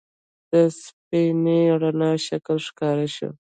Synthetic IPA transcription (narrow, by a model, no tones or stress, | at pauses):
d̪̥əspineɾanɑʃaklʂkɑɾaʃṵ